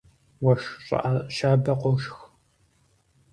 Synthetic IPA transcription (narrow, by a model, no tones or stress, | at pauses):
wɐʃɕʼɐ̰ʔaʃaːbɐqʷoʃx